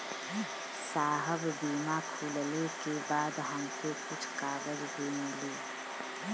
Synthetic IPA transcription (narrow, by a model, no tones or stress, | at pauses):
saːɦəbbiːmaːkʰuːllekebaːd̪ɦɐmkokʊt͡ʃʰqaːbəlbʱiːnəliː